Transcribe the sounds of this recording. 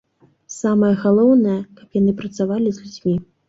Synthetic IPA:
samɐjɐɣalˠɔwnɐjɐkɐpjan̪ɨpɾɐt̪savalʲizʲlʲud͡zʲmʲi

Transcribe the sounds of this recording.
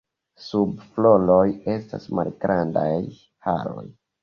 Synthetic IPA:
subflo̞loje̞stasmalɡɾandaj | ha̰ɾo̞̰j

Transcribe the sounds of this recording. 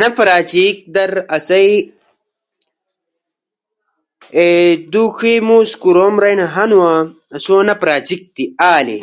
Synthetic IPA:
nɐpɾaːt͡ɕik̚d̪ɐɾɐsɐj | ed̪ukʰimuːskuɾoːmɾɐjnɐɦɐnuwa | ɐsoːnɐpɾaːt͡ɕik̚t̪iaːlḭ

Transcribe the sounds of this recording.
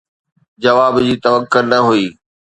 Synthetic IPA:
d͡ʑɐʋaːbd͡ʑiːt̪ɐʋəkːʊɾnɐɦuiː

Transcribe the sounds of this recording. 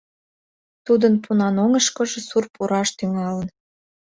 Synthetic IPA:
t̪ud̪ənpunɑnoŋəʃkɤ̆ʒĕsurpuɾɑʃt̪yŋɑlən

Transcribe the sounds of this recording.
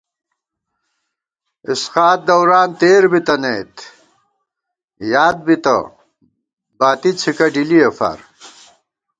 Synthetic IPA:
isqaːt̪̚d̪ɐwɾaːnt̪eːɾbit̪ɐneːt̪ | jaːd̪̚bit̪ɐ̰ | baːt̪it͡sʰikɐɖiliɐfa̰ɾ

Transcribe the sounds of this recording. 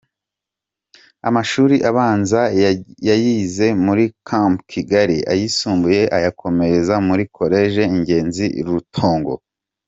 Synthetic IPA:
a̰maʃuːɾiʔaβaːnzajajiːze̞muɾikʰampkʰiɡaɾiʔa̰jisuːmbuje̞ʔajakʰo̞me̞ɾezamuɾikʰo̞ɾe̞ːʒe̞iɲɟe̞ːnziɾutʰo̞ːŋɡo̞̰

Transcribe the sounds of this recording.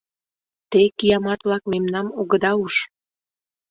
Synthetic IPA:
t̪ejkijɑmɑt̪βlɑk̚memnɑmoɣəd̪ɑuʃ

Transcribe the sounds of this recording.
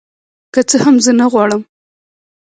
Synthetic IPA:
kat͡səhamzənaɣwɑɽəm

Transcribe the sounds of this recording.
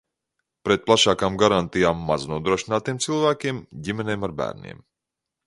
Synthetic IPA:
pɾɛt̪̚plˠaʃaːkaːmɡaɾant̪ijaːmːaznuɔd̪ɾuɔʃinaːt̪ijmt̪silˠvæːkʲimɟimʲɛnʲejmaɾbæ̰ːɾnḭɛm

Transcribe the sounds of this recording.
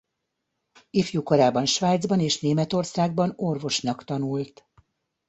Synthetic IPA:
ifjukoɾaːbɒnʃʋaːjd̪zbɒneːʃneːmɛt̪o̞rsaːɡ̚bɒnorvo̞ʃnɒkt̪ɒnult̪

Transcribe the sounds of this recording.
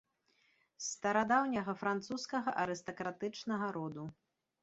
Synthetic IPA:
st̪ɐɾad̪awnʲɐɣɐfɾant̪suskɐɣɐʔɐɾɨst̪ɐkɾat̪ɨt͡ʂnɐɣɐɾɔd̪u

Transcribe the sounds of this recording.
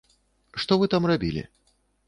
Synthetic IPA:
ʂt̪ɔvɨt̪amrabʲilʲḭ

